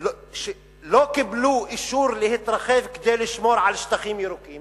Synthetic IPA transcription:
l | ʃ | lokɪbluːʔɪʃuːɾlihɪt̪ɾˤɑxɛːfkd̪ɛːlɪʃmoːɾʕalɪʃt̪axiːmjiɾukiːm

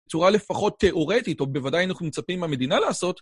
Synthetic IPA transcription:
bt͡suʁale̞faχo̞tʰːe̞ʔo̞ʁe̞tito̞be̞vadajanaχnumet͡sapimame̞d̪inalaːso̞t

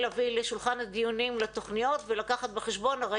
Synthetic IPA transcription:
lavileʃulχanhad̪ijunimlat̪o̞χnijo̞t̪velakaχat̪beχeʃbo̞naʁa

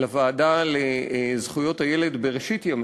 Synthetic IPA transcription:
lavaːdalezχujo̞t̪hajele̞d̪beʁeʃit̪jam

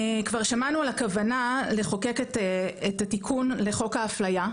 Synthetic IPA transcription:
kvaʁʃamanualakavanale̞χoke̞ketetatikʰunle̞χo̞khaːflaja

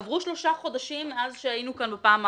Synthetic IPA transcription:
vʁuʃlo̞ʃaχo̞d̪aʃimazʃeajinukanbepaːm

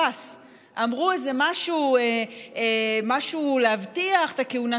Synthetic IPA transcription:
as | ʔamʁuezemaʃueemaʃulehavtiaχt̪akeuna

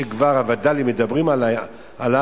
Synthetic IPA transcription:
eɡvaʁavadalimedabʁimala | ala

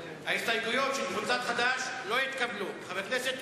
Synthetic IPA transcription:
haest̪ajklujo̞t̪ʃelχonzad̪χad̪aʃlo̞jit̪kablumeχavekneset̪

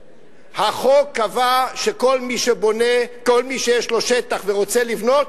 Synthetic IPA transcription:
haχo̞kavaʃeko̞lmiʃebo̞neko̞lmiʃejeʃlo̞ʃet̪aχveʁo̞t͡se̞livno̞t̪

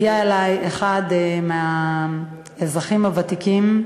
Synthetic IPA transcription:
jaelajeχad̪mea | ezʁaχimhavat̪ikim

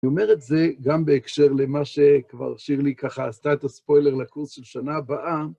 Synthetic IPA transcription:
niome̞ʁetze̞ɡambeːkʃe̞ʁlemaʃekva̰ʁʃiʁlikaχaːst̪aetaspo̞jleʁlakuʁsʃelʃanaːbaʔa

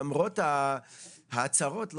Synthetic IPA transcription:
mʁotha | haːt͡saʁotl

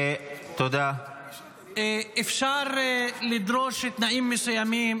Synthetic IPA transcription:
et̪od̪a | eʔefʃaɾlid̪ɾoʃt̪naʔiːmːesujamiːm

